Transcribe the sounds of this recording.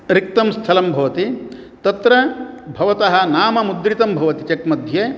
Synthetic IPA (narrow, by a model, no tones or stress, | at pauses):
ɾik̚t̪ɐmst̪ʰɐlɐmbʱɐʋɐt̪i | t̪ɐt̪ɾɐbʱɐʋɐt̪ɐɦɐ̆naːmɐmud̪ɾit̪ɐmbʱɐʋɐt̪it͡ʃɐkmɐd̪ʱjeː